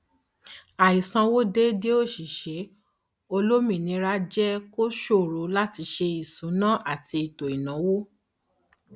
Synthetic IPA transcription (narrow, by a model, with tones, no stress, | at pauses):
a˨i˨sã˧wo˦de˦de˦o˦˨ʃi˨ʃe˨˦ | o˧lo˦mĩ˨nĩ˧˦ɾa˦d͡ʒɛ˦ko˦ʃo˦˨ɾo˨˦la˦ti˧ʃe˧i˨sũ˨˦nã˦ʔa˦˨ti˧i˨to˨i˨nã˨˦wo˦